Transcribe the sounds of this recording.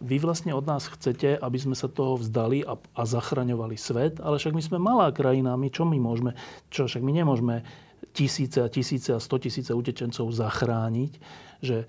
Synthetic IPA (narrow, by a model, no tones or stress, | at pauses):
ʋiʋlast̪ɲɛɔd̪naːsxt͡sɛcɛʔabizmɛsat̪ɔɦɔvzd̪alia | azaxɾaɲɔʋalisʋɛt̪alɛfʃaɡmizmɛmalaːkɾajinamit͡ʃɔmimʊɔʒmɛt͡ʃɔfʃaɡmiɲɛmʊɔʒmɛ | cisiːt͡sɛacisiːt͡sɛast̪ɔcisiːt͡sɛucɛt͡ʃɛnt͡sɔʊzaxɾaːɲicʒɛ